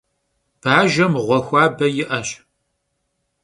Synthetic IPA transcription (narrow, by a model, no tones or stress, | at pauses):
b̥aːʒɐmʁʷɔxʷɑːbɐjɪʔɐɕ